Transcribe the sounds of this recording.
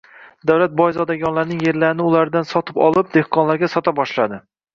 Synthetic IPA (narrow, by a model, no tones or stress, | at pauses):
d̪awlat̪̚bɒjzɒd̪aɡʲɒnlaɾnɪŋje̞ɾlaɾɪnɪʊlaɾd̪ansɒt̪ʰɪ̥pɒ̰lˠɪp̚d̪ehqʰɒnlaɾɡʲasɒt̪ʰabɒʃlad̪ɪ